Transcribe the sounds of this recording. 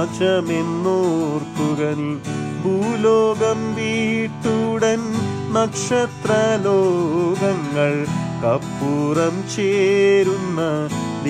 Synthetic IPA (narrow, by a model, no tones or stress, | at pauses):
t͡ʃɐmenːoːɾt̪uɡɐnibʱuːlɔːɡɐmʋiːʈːuɽɐn | nɐkʂɐt̪ɾɐloːɡɐŋɡɐɭkɐpːuːɾɐmt͡ʃeːɾunːɐd̪